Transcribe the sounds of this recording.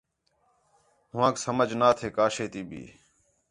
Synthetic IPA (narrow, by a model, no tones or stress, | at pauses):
ɦʊʋãːksəməd͡ʒʱnaːt̪ʰeːkaːʃeːt̪iːbʱḭː